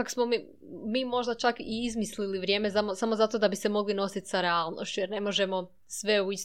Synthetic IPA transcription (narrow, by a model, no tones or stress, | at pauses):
aksmo̞mi | miːmo̞ʒd̪at͡ʃakiizmisliliʋɾje̞ːme̞zamosamo̞zat̪o̞ːd̪abise̞mo̞ɡlino̞sit̪saɾealˠno̰ʃt͡ɕujeɾne̞mo̞ʒe̞mo̞ | sʋe̞uis